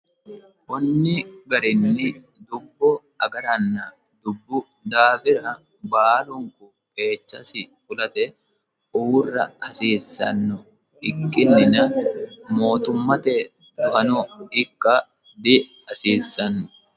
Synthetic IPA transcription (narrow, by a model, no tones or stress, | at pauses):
kɔnːɪɡɐɾɪnːɪ | d̪ʊbːɔ | ɐɡɐɾɐnːɐ | d̪ʊbːʊ | d̪aːbɪɾɐ | baːlʊŋkʊ | ke̞ːt͡ʃːɐsɪfʊlɐt̪ɛ | uːrːɐ̰ɐsiːsːɐ̰nːʊ | ɪkʼːɪnːɪnɐmo̞ːt̪ʊmːɐt̪eː | d̪ʊʔɐnɔɪkʼːɐ | d̪ɪ | ɐsiːsːɐnːʊ̥